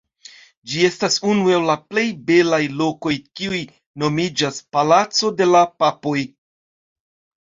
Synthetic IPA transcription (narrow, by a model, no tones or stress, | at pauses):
d͡ʒie̞stasunuewlaple̞jbe̞lajlo̞ko̞jkiuj | no̞mid͡ʒaspalat͡so̞de̞lapapo̞j